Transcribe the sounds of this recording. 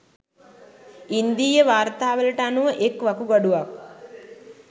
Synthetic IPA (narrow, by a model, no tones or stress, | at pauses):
ind̪iːjəʋaːɾt̪aːʋəlɐʈəanuʋəʔekʋɐkuɡɐɖuʋak̚